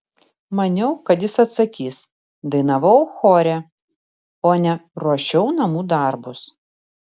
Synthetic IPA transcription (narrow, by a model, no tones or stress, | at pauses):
mɐnʲɛʊkɐt̪jɪsɐt̪sɐkʲiːs | d̪ɐɪnɐʋɐʊxoːɾʲɛ | oːnʲɛɾɔʃʲɛʊnɐmuːd̪ɐˑɾbʊs